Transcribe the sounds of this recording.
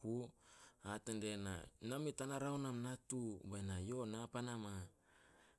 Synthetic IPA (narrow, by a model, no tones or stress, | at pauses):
u | atandena̰namitanaɾawnamnatubajnajo̞napanama